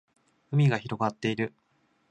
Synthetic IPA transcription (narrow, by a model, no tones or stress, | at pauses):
ɯ̟mʲiɡaçiɾo̞ɡat̪ːe̞iɾɯ̟